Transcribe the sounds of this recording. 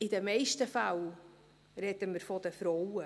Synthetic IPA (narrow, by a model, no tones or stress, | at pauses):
ɪdəmɛɪʃtəfaw | ɾɛdəməɾfɔd̪əfɾɔwə